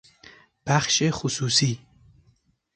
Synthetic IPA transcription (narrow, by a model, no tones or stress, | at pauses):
b̥aχʃexususi